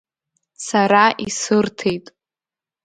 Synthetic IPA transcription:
saɾaʔisɨrtʰe̞jtʼ

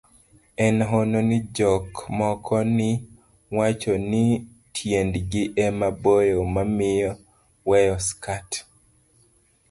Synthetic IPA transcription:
ɛnɦononid͡ʒɔkmɔkʰɔnɪ | wat͡ʃoni | tʰjendɡɪʔɛmabojomamɪjɔ | wɛjɔskat

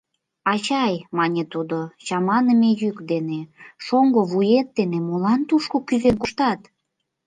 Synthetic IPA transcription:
ɑt͡ɕɑjmɑnʲet̪ud̪ot͡ɕɑmɑnəmejykd̪eneʃoŋɡoβujet̪̚ːenemolɑnt̪uʃkokyzeŋkuʃt̪ɑt̪

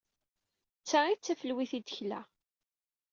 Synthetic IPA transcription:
t͡sːæit͡sːæfəlwiθid̪əçlæ̰

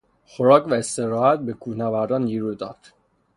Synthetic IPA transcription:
xoɾɒːkvæest̪eɾɒːhæt̪̚bekʰuːhnævæɾd̪ɒːnd̪iɾud̪ɒːd̪̥

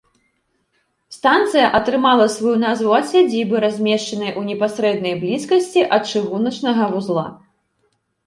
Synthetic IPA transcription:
st̪ant̪sɨjɐʔɐt̪ɾɨmalˠɐsvujunazvuɐt̪sʲad͡zʲibɨɾazʲmʲɛʂt͡ʂɐnɐjʔunʲɛpasɾɛd̪̚nɐjblʲiskɐsʲt͡sʲiʔɐt̪̚t͡ʂɨɣunɐt͡ʂnɐɣɐvuzlˠa̰

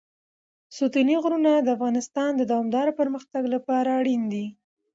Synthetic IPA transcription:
sut̪iniɣɾunad̪əafɣɑnɪst̪ɑnd̪əd̪ɑwɑmd̪ɑɾopəɾməxt̪aɡlapɑɾaːɽind̪i

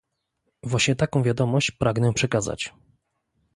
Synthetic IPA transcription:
vwaɕɲɛt̪akɔ̃w̃vʲjad̪ɔmɔɕt͡ɕpɾaɡnɛpʂɛkaza̰t͡ɕ

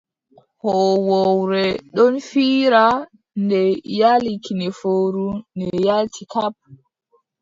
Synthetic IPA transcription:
hɔwɔwɾɛɗɔnfiːɾa | ndɛjalikinɛfoːɾunɛjaltʰikap̚

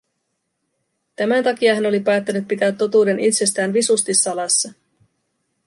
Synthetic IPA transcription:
t̪æmænt̪ɑkiɑɦæno̞lipæːt̪ːænyt̪̚pit̪æːt̪ːo̞t̪uːde̞nʔit̪se̞st̪æːnʋisust̪isːɑlɑsːɑ

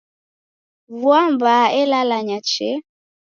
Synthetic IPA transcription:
vuambaɛlalaɲat͡ʃɛ

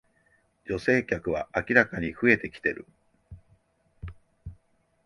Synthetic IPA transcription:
d͡ʑo̞se̞ːkʲakɯ̟β̞aʔakʲiɾakaɲ̟iɸɯ̟e̞t̪e̞kʲi̥t̪e̞ɾɯ̟̰

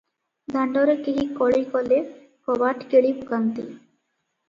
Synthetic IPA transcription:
d̪ʱaɳɖɔɾekeɦikɔɭejkɔle | pɔbaʈkeɭibukant̪ḭ

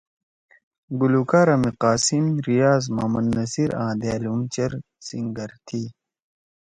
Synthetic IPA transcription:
ɡulukaːɾɐmiqaːsimɾijaːzma̰ːmɐnːɐsiɾʔã̰ːd̪jaːlumt͡ɕɐɾ | siŋɡɐɾt̪ʰi

